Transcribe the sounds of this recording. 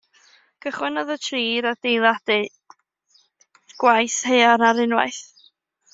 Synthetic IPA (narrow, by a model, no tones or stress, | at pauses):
kəχwɛnɔðətʰriːɾadejlˠadɨ | ɡ̥wajshejaɾaɾɪnwa̰jθ